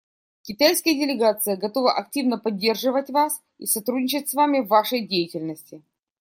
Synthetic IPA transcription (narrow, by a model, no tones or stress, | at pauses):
kʲɪt̪ajskəjədʲɪlʲɪɡat̪sɨjəɡɐt̪o̞vəʔɐk̚tʲivnəpɐdʲːe̞rʐɨvətʲvas | isɐt̪ɾudʲnʲɪt͡ɕɪt̚ʲsvamʲɪvːaʂəjdʲejɪtʲɪlʲnəsʲtʲɪ